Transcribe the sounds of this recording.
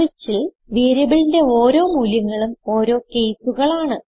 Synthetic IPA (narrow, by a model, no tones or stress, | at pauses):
it͡ɕːil | ʋiːɾɐbilinde̞o̞ːɾo̞ːmuːljɐŋːɐɭumo̞ːɾo̞ːke̞jsuɣɐɭaːɳɨ